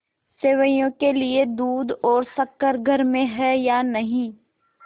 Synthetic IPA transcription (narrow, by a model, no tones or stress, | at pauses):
seːʋəjõkelied̪uːd̪ɔːɾsɐkːəɾɡʱɐɾmẽɦɛjanɐɦĩ